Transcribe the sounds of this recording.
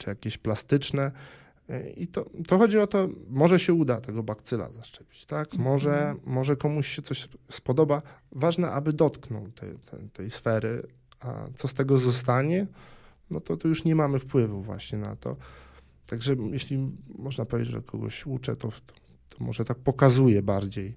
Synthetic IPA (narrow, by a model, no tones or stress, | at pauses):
t͡ʂɨjakʲeɕplast̪ɘt͡ʂnɛ | ḭt̪ɔt̪ɔxɔd͡ʑiɔt̪ɔmɔʐɛɕɛud̪at̪ɛɡɔbakt̪sɘla̰zaʂt͡ʂɛpʲi̥t͡ɕt̪akmɔʐɛmɔʐɛkɔmuɕɕɛt̪ɔɕspɔd̪ɔbavaʐnɛʔabɘd̪ɔt̪knɔ̰wt̪ɛ̰t̪ɛ̰t̪ɛjsfɛɾɘ | a̰t̪sɔst̪ɛɡɔzɔst̪aɲɛnɔt̪ɔt̪ujuʂɲɛmamɘfpwɘvuvwa̰ɕɲɛna̰t̪ɔ̰ | t̪aɡʐɛjeɕlʲimɔʐnapɔvʲed͡ʑːd͡ʑʐɛ̰kʰɔɡɔ̰ɕut͡ʂɛ̰t̪ɔɔ̥ | t̪ʰɔmɔ̰ʐɛt̪ak̚pɔkazujɛbaɾd͡ʑej